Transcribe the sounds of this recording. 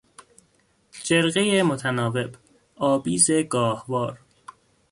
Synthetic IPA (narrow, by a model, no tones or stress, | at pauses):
d͡ʒeɾɣejemo̞t̪ʰænɒːve̞b | ɒːbiːze̞ɡɒːhvɒːɾ